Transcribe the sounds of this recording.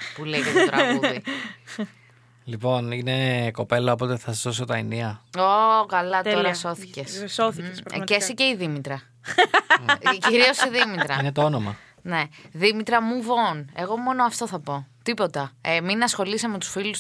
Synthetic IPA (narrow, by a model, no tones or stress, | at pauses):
pulejʝetot̪ɾɐɣuðði | lipo̞nineko̞pe̞lɐopo̞t̪e̞θɐsɐzðosot̪ɐiniɐokɐlɐt̪oɾɐso̞θi̥cesθcesiceiðimit̪ɾɐ | ciɾio̞siðimit̪ɾɐinet̪oonomɐ | ne̞ðimit̪ɾɐmuvo̞ne̞ɣo̞mo̞no̞ɐft̪o̞θɐpo̞t̪ipo̞t̪ɐeminɐsxo̞lisɐme̞t̪u̥sfilus